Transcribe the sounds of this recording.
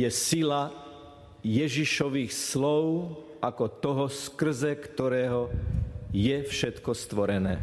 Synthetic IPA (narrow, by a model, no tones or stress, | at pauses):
jɛsila | jɛʒiʃɔʋiːxslɔʊ | ʔakɔt̪ɔɦɔskr̩zɛkt̪ɔɾɛːɦɔ | jɛfʃɛt̪kɔst̪ʋɔɾɛnɛ̰ː